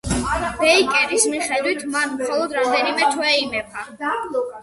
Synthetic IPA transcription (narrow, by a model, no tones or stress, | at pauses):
b̥ɛikʼɛɾismiχɛd̪wit̪ʰmanmχɔlˠɔd̪ɾamd̪ɛnimɛt̪ʰwɛimɛba